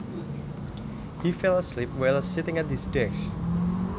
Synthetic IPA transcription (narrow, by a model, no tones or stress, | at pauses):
hifɛlˠəslip̚waɪlˠsɪtɪ̃ŋat̪̚disdɛʃ